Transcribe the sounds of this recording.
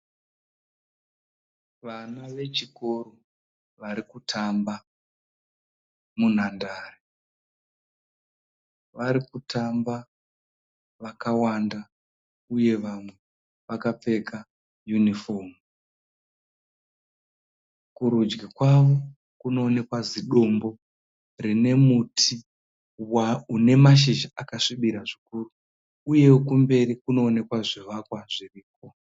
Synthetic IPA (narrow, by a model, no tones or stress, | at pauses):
ʋanaʋe̞t͡ʃiko̞ɾo | ʋaɾikutʰamba | mun̤andaːre | ʋaɾikutʰamba | ʋakawanda | uje̞ʋamwe̞ | ʋakap͡fe̞ka | junifo̞m | kuɾud͡ʒɡikwaʋo̞ | kuno̞ːne̞kwaziɗo̞mbo̞ | rine̞mutʰi | waune̞maʃ̬iʒaakaʂiɓiɾaʐikuru | uje̞kumbe̞ɾikuno̞ːne̞kwaʐiʋakwaʐiriːk̚o